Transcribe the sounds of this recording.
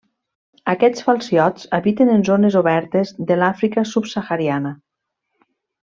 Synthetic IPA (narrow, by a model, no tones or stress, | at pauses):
akɛt͡sfalˠsiɔt͡saβit̪enənzonezoβɛɾt̪ezðəlafɾikasupsaxaɾianə